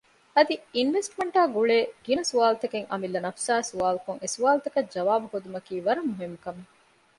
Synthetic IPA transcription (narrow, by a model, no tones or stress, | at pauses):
ɐd̪iinʋesʈmɐɳʈaːɡuɭeːɡ̥inɐsuʋaːlut̪ɐkeŋʔɐ̰milːɐnɐfsaːsuʋaːlukuŋesuʋaːlt̪ɐkɐd͡ʒɐʋaːbuhod̪umɐkiːʋɐɾɐmːuɦimːukɐme